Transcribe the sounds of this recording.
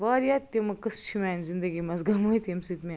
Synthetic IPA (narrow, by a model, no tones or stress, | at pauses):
ʋaːɾjaːt̪ːimɐkɐst͡ʃʰimʲaːnzind̪ɐɡimɐzɡɐmoit̪ʲɐmsit̪mʲi